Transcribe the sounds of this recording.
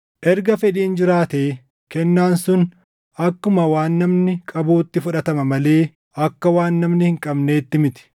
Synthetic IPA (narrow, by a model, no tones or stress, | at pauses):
ʔɛɾɡɐfɛᶑiːnd͡ʒɪɾaːt̪e̞ː | kɛnːaːnsʊn | ɐkːʊmɐwaːnːɐmnɪkʼɐbuːt̪ːɪfʊᶑɐt̪ɐmɐmɐle̞ː | ʔɐkːɐwaːnːɐmnɪhɪŋkʼɐbne̞ːt̪ːɪmɪt̪ɪ̥